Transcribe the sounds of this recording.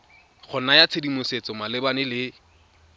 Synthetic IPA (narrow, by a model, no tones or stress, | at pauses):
χʊnajat͡sʰedimʊset͡sɔmalɪbanɪlɪ